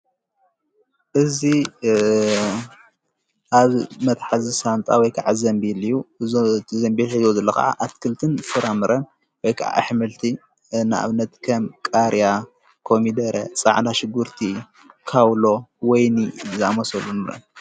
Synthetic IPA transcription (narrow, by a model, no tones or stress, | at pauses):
ʔɨzi | ʔaβmɐt̪ħazisant̪ʼa̰wɔjkʰaʕazɐmbilijut̪ʰizɐmbiħizozɐlːɐka̰ʕa̰ʔat̪kʰɨlt̪ʰɨnsɨɾamɨɾʔɐn | wɔjkʰaʔa̰ʔħmɨlt̪ʰi | nɨʔa̰βnɐt̪kʰɐmkʼaɾja | kʰomid̪ɐɾɐt͡sʼa̰ʕnaʃɪɡuɾt̪ʰi | kʰawlo̞wɔjnizamɐsɐlunɨɾɐ̰n